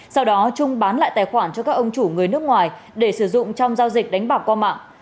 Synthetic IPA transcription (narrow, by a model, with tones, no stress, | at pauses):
sa˧wɗɔ˨˦t͡ɕʊ˧ŋ͡mɓaː˨˦nla̰ː˧˨jt̪aː˨˩jxwaː˧˩nt͡ɕɔ˧kaː˦˥k̚ʔə˧wŋ͡mt͡ɕu˧˩ŋɨ˨˩əjnɨ˦˥ək̚ŋwaː˨˩j | ɗe˧˩sɨ˧˩zʊ̰˧˨ŋ͡mt͡ɕɔ˧wŋ͡mzaː˧wzï˨˩k̚ɗa˨˦ŋ̟ɓaː˨˩wkwaː˧ma̰ː˧˨ŋ